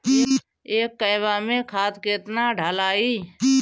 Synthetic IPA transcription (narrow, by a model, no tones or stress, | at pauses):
eːkːəɪʋamẽkʰaːt̪keːt̪naɖʱaːlaːiː